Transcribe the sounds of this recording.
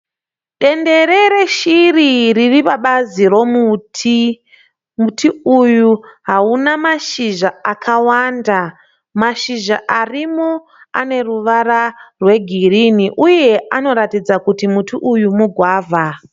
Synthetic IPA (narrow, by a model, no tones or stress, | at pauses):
ɗe̞nde̞ɾe̞ɾeʃiririripaɓaziro̞muti | mutʰiujuɦaunamaʃiʒaakʰawanda | maʃiʒaʔarimo | a̰ne̞ruʋararwe̞ɡʱiriniʔuje̞ano̞ɾatid͡zakutimutiʔujumuɡʱwaːvʱa